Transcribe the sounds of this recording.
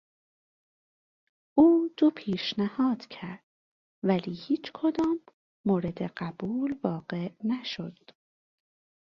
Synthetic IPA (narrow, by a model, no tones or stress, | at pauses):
ʔuːd̪̥opʰiːʃnæhɒːd̪̥cʰæɾd̪̥ | væliːhiːt͡ʃʰkʰod̪ɒːmː | oːɾe̞d̪eɢæb̥uːlvɒːɢe̞ʔnæʃod̪̥